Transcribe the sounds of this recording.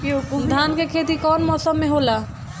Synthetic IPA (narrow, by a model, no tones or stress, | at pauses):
kiukd̪ʱaːnkekʰet̪ikɔːnmɔːsəmːẽɦola